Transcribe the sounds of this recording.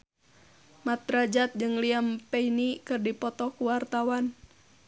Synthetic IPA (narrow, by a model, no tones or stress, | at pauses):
mat̪ɾad͡ʒat̪̚d͡ʒɨŋliampɛinikɨrdipɔt̪ɔkuwart̪awan